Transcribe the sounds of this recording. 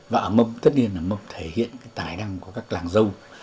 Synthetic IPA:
vaː˨˩ʔəː˨˩mə˧mt̪ə˦˥t̚ni˧ənʔaː˨˧˩mə˧mt̪ʰe˧˨˦hḭ˧˨ənkaː˨˦jt̪aː˨˩jna˧ŋku˧˩əkaː˦˥k̚laː˨˩ŋzə˧w

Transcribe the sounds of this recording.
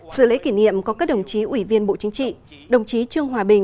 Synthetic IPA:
sɨ̰˧˨lḛ˧˥ki˧˩nḭ˧˨əmkɔ˨˦kaː˦˥k̚ɗə˨˩wŋ͡mt͡ɕi˨˦ʔwi˧˩vi˧ənɓo̰˧˨t͡ɕï˨˦ŋt͡ɕḭ˧˨ɗə˨˩wŋ͡mt͡ɕi˨˦t͡ɕɨ˧əŋɦwaː˨˩ɓï˨˩ŋ̟

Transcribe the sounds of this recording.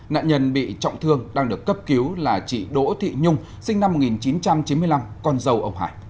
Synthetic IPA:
na̰ː˧˨ɲə˧nɓḭ˧˨t͡ɕɔ̰˧˨wŋ͡mt̪ʰɨ˧əŋɗaː˧ŋɗɨ˨˩əkːə˦˥p̚ki˨˦wlaː˨˩t͡ɕḭ˧˨ɗo̰˧˥t̪ʰḭ˧˨ɲʊ˧ŋ͡m | sï˧ŋna˧mːo˨˩t̚ŋi˨˩nt͡ɕi˨˦nt͡ɕa˧mt͡ɕi˨˦nmɨ˧əjla˧mkɔ˧nzə˧wʔə˧wŋ͡mha̰ː˧˩j

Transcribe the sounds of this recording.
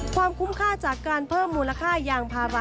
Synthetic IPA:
kʰwaː˧mkʰu˦˥mkʰaː˥˩t͡ɕaː˨˩kːaː˧npʰɤː˥˩mːuː˧nla˧kʰaː˥˩jaː˧ŋpʰaː˧wa˦˧

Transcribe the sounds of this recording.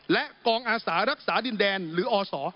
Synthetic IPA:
lɛ˦˥ʔkɔː˧ŋʔaː˧saː˩˦ɾa˦˥k̚saː˩˦di˧ndɛː˧nɾɯː˩˦ʔɔː˧sɔː˩˦

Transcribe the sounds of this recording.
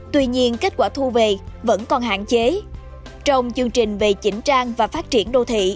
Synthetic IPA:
t̪wi˧ɲi˧ənke˦˥t̚kwaː˧˩t̪ʰu˧ve˨˩və̰˧˥nkɔ˨˩nɦa̰ː˧˨nt͡ɕe˨˦ | t͡ɕə˧wŋ͡mt͡ɕɨ˧əŋt͡ɕï˨˩ŋ̟ve˨˩t͡ɕï˨˦ŋ̟t͡ɕaː˧ŋvaː˨˩faː˦˥t̚t͡ɕi˧˩ənɗo˧t̪ʰḭ˧˨

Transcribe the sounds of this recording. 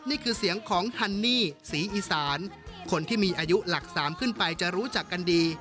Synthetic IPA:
niː˥˩kʰɯː˧si˩˦əŋkʰɔː˩˦ŋhʰa˧nːiː˥˩siː˩˦ʔiː˧saː˩˦nkʰo˧nt̪ʰiː˥˩miː˧ʔaː˧ju˦˥la˨˩k̚saː˩˦mkʰɯ˥˩npa˧jt͡ɕa˨˩ɾuː˦˥t͡ɕa˨˩kːa˧ndiː˧

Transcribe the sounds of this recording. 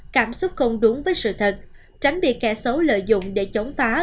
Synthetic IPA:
kaː˧˩msʊ˦˥t̚ko˧ŋ͡mɗʊ˨˦ŋvəː˨˦jsɨ̰˧˨t̪ʰə˨˩t̚ | t͡ɕa˨˦jŋ̟ɓḭ˨˧˩əkɛ˧˩sə˨˦lə̰ː˧˨jzʊ̰˧˨wŋ͡mɗe˧˩t͡ɕə˨˦wŋ͡mfaː˨˦

